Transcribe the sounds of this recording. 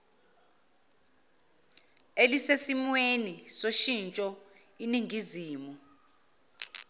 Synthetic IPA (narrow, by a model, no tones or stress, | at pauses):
elisesimwenisoʃint͡ʃʼɔ | iniŋʱiziːmu